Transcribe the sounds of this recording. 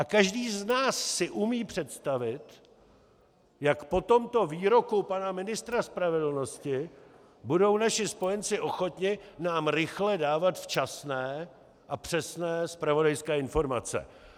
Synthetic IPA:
ʔakaʒdiːznaːsːɪʔumiːpr̥ɛt̪st̪avɪt̪ | jakpo̞t̪o̞mt̪o̞viːɾo̞kupanamɪnɪst̪ɾaspɾavɛdl̩no̞scɪ | budo̞wnaʃɪspo̞jɛnt͡sɪʔo̞xo̞t̪ɲɪnaːmɾɪxlɛdaːvat̪ft͡ʃasnɛː | ʔapr̝̥ɛsnɛːspɾavo̞dajskɛːɪnfo̞ɾmat͡sɛ̰

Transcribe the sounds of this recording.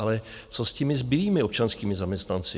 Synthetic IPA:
alɛ | t͡soscɛmɪzbɪliːmɪop̚t͡ʃanskiːmɪzamɲɛst̪nant͡sɪ

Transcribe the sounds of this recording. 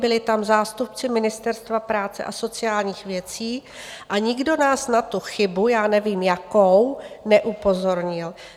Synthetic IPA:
bɪlɪt̪amzaːst̪upt͡sɪmɪnɪst̪ɛɾst̪vapɾaːt͡sɛ̰ʔaso̞t͡sɪjaːlɲiːxvjɛt͡siː | ʔaɲɪɡdo̞naːsnat̪uxɪbujaːnɛviːmjakownɛʔupo̞zo̞ɾɲɪl

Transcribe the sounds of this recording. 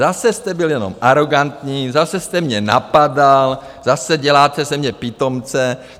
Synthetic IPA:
zasɛst̪ɛbɪljɛno̰mʔaɾo̞ɡant̪ɲiːzasɛst̪ɛmɲɛna̰padal | zasɛɟɛlaːt̪ɛzɛmɲɛpiːt̪o̞mt͡sɛ

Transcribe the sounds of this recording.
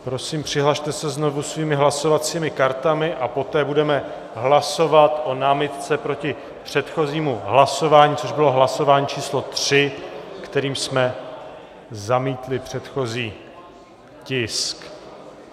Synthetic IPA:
pɾo̞siːmpr̥ɪɦlaʃt̪ɛsɛzno̞vusviːmɪɦlaso̞vat͡siːmɪkaɾt̪amɪʔapo̞t̪ɛːbudɛmɛ | ɦlaso̞vat̪ʔo̞naːmɪt̪t͡sɛpɾo̞cɪ | pr̝̥ɛt̪xo̞ziːmuɦlaso̞vaːɲiːt͡so̞ʒbɪlo̞ɦlaso̞vaːɲiːt͡ʃiːslo̞t̪r̥ɪkt̪ɛɾiːmsmɛ | zamiːt̪lɪpr̝̥ɛt̪xo̞ziː | cɪsk

